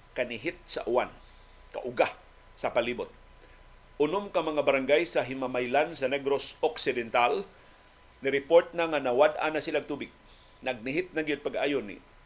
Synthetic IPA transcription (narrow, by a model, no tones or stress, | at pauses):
kanɪɦɪt̪̚sa̰ʔʊwan | ka̰ʔʊɡa | sɐpaliːbʊt̪̚ | ʔʊnʊmkaŋmɐŋabaɾaŋɡajsaɦɪmamajlansanɛɡɾosoksɪd̪ɛnt̪al | nɪɾɪpoɹt̪̚naŋanawad̪ʔa̰nasɪlaɡ̚t̪ubɪɡ̚ | nɐɡ̚nɪɦɪt̪̚naɡɪd̪̚paɡaajonḭ